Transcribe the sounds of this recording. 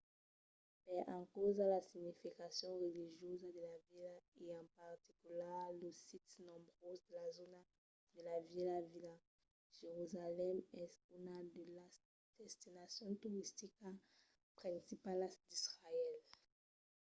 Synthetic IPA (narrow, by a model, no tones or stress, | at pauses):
mɛʔɑ̃kɔzalasiɲifikasjɔ̃ʁeliʒjozad̪əlavilaeɑ̃paʁt̪ikylaʁləsit̪nɔ̃bʁozd̪əlazona | d̪əlavilavila | ʒ̥eʁyzalɛmɛsynad̪əla | d̪̥ɛst̪inasjɔ̃t̪uʁist̪ika | pχɛ̃sipalad̪̥isʁaɛl